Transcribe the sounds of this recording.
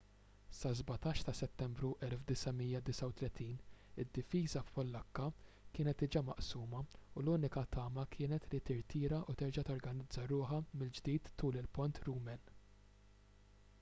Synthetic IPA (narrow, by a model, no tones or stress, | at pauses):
sɐzbɐt̪ɐːʃt̪ɐsɛt̪ːɛmbɾuʔɛlfd̪ɪsɐmijːɐd̪ɪsɐwt̪lɛt̪iːnɪd̪ːɪfiːzɐfpɔlːɐkːɐkɪːnɛt̪ɪd͡ʒɐmɐ̰ʔsuːmɐuluːnɪkɐt̪ɐːmɐkʰɪːnɛt̪lit̪ɪɾt̪ɪːɾɐʔut̪ɛɾd͡ʒɐt̪ɔɾɡɐnɪd͡zːɐɾʊːħɐmɪld͡ʒd̪iːt̪ʰːuːlɪlpɔnt̪ɾuːmɛn